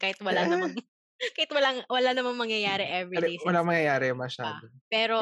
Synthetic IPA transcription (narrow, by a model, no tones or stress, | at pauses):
kaːhɪt̪̚wɐlanɐa | kaːhɪt̪wɐlaŋwɐlanɐmaŋmɐŋjɐjaːɾɛʔɛvlwɐlaŋmɐŋjɐjaːɾɛjʊŋmɐʃaːdopɛːɾo